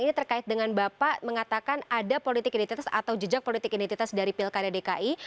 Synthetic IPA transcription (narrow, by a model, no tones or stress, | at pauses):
init̪ərkaɪt̪̚dəŋanbapaʔməŋat̪akanadapolit̪ɪkinit̪it̪asa̰t̪awd͡ʒəd͡ʒak̚polit̪ɪkinint̪it̪asdaɾipilkadadekaʔi